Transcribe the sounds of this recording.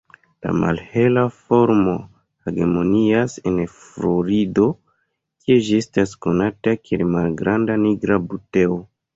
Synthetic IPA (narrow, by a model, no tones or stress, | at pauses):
la̰ma̰lhe̞lafo̞ɾmo̞ | heɡe̞mo̞niase̞nfɾoɾido̞ | kied͡ʒie̞stasko̞natakielmalɡɾandaniɡɾabute̞o